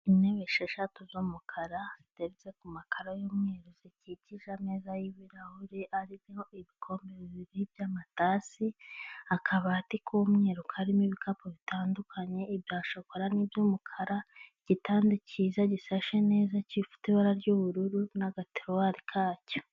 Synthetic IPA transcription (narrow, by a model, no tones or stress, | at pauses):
ineβeʃeʃatuzomukʰaɾaz̥iteɾit͡sekumakaɾajomŋeɾuzeciciʒameːzajiβiɾahuɾiʔaɾioiβikʰo̞ːmbeβiβiɾibjaːmataːsiakʰaβaːtikʰomŋeɾukaɾimiβikapoβitʰaːndukʰaɲe̞ibjaːʃakoɾaniːbjoːmukʰaɾaɟ̥itaːndicizaɟisaʃene̞ːzacifu̥tiβaɾaɾɟoβuɾuɾunaɡateɾwaɾikʰaːco̥